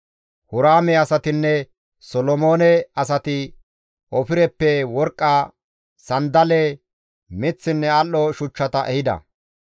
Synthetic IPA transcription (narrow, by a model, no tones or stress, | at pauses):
hʊɾaːmɛɐsɐt̪ɪnːɛ | sɔlɔmoːnɛɐs̬ɐt̪ɪ | ʔɔfɪɾɛpːɛwɔɾkʼːa | sɐnd̪ɐlɛ | mɪt͡sːɪnːɛalːɔʃʊt͡ʃːɐt̪ɐʔɛhɪd̪ɐ̰